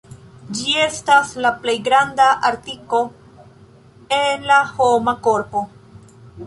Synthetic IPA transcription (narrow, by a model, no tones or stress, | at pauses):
d͡ʒie̞staslaple̞jɡɾandaʔaɾtiko̞ | enlaho̞mako̞ɾpo̞